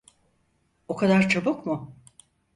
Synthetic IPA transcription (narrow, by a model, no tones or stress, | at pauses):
okʰad̪aɾt͡ʃʰabukmʊ